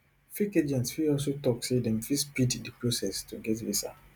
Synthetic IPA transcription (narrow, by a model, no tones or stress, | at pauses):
fiked͡ʒɛ̃ntsfiɔls̬otɔksedɛ̃mfispiddipɹosɛstuɡɛtvisa̰